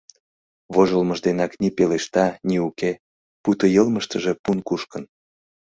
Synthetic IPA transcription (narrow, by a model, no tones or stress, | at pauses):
βoʒolməʒd̪enɑknipeleʃt̪ɑnʲiuke | put̪ojəlməʃt̪əʒe̽punkuʃkə̆n